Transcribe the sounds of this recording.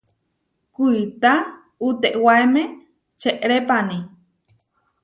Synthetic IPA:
kuit̪a | ut̪eʔwaemẽ | t͡ʃeʔɾepani

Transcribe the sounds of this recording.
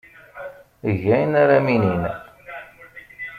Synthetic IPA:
ʝæjnaɾaminin

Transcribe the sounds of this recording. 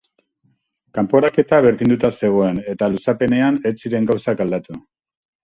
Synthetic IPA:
kampo̞ɾake̞t̪aβe̞ɾðind̪ut̪ase̞ɣ̞o̞e̞ne̞t̪alusape̞ne̞anet͡siɾe̞ŋɡawsakald̪at̪u

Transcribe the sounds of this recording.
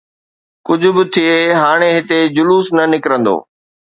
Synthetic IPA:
kʊd͡ʑʱʊ̆bɪt̪ʰieɦaːɽ̃eɦɪt̪ed͡ʑʊluːsnɐnɪkɾə̃nd̪o̰ː

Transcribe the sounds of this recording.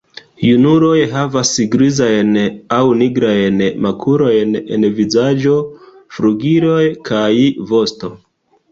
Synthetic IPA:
junuɾo̞jɦavasɡɾizajnawniɡɾajnmakʰuɾo̞jne̞̰nvizad͡ʒo̞ | fɾuɡiɾo̞jkʰajvo̞sto̞

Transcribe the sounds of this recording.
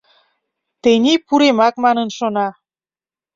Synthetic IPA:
t̪enʲipuɾemɑk̚mɑnənʃonɑ

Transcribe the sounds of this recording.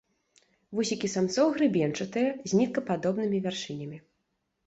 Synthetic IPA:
vusʲikʲisamt̪sɔwɣɾɨbʲɛnt͡ʂɐt̪ɨjɛzʲnʲit̪̚kɐpad̪ɔbnɨmʲivʲarʂɨnʲɐmʲi

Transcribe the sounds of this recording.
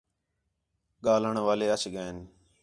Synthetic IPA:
ɠaːləɳʋaːleːət͡ʃʰɠəːɪn

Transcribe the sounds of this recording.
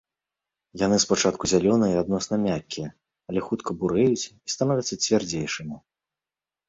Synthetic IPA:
janɨspat͡ʂat̪kuzʲalʲɔnɨjad̪̚nɔsnɐmʲakʲːijɛ | ɐlʲɛxut̪kʰɐbuɾɛjut͡sʲist̪anɔvʲɐt̪sːɐt͡sʲvʲard͡zʲejʂɨmʲi

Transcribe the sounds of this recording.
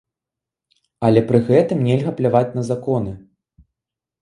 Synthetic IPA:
ɐlʲɛpɾɨɣɛt̪ɨmnʲɛlʲɣɐplʲavat͡sʲnɐzakɔnɨ

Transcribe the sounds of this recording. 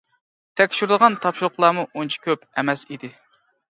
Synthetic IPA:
t̪ʰɛkʲʃyɾd̪ˠəʁɑnt̪ʰɑpʃuʊχlˠɑːmuʔont͡ʃʰi̥kʲøpɛmɛsid̪ɪ

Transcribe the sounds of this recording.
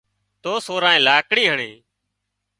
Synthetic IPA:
t̪oːsoːɾãːẽːlaːkɽiːɦəɳiː

